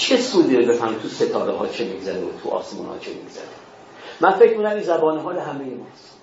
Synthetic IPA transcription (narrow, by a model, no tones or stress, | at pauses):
t͡ʃʰe̞suːd̪iɾebefænut̪ʰuset̪ʰɒːɾeɦɒ̰ːt͡ʃʰemiɡzæɾeo̰t̪ʰuɒ̰ːsemṵːnhɒ̰ːt͡ʃʰḛmḭɡz̥æ̰ɾe | mænfe̞cʰmiːnæmimzæbɒːneɦɒːleɦæmejemɒːs